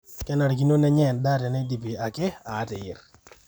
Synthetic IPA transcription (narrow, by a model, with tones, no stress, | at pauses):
kɛ˦na˨ɾk̬i˦no˦nɛ˦ɲɛ˨nda˦tɛ˨nɛ˦di˨pi˨a˨kɪ˦a˨˦tɪ˨ɪ̰˨r